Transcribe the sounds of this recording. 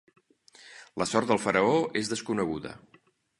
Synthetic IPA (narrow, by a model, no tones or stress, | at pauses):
ləsɔɾt̪d̪əlˠfəɾəoezðəskunəɣ̞uðə̰